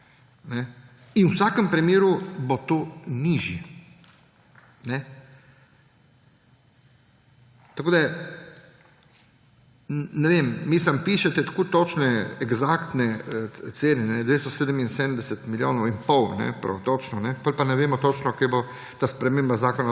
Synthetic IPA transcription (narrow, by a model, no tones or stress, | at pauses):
nɛ | inwsaːkəmpɾimjeːɾubot̪oːniːʒjɛ | nɛ | t̪ɐkoːd̪a | nɛʋemʋiːsampiːʃɛt̪ɛt̪ḁkoːt̪ot͡ʃnɛɛɡzakt̪nɛt̪seːnɛnɛd̪ʋeːst̪ɔseːd̪əminsed̪ənd̪ɛsɛt̪miljo̰ːnɔwinpɔwnɛ̰pɾɐ̰t̪ot͡ʃnɔnɛpɔlʲpanɛʋeːmɔt̪ot͡ʃnɔkebo | t̪aːspɾɛmeːmbazaːkɔna